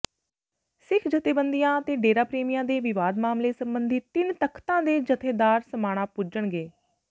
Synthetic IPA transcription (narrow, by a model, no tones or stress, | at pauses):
sɪkʰd͡ʒət̪eːbənd̪ijãːət̪eːɖeːɾaːpɾeːmijãːd̪eːʋɪʋaːd̪maːmleːsə̃mbənd̪iːt̪ɪnt̪əkʰt̪ãːd̪eːd͡ʒət̪ʰeːd̪aːɾsəmaːɽ̃ãːpʊd͡ʒəɳɡeː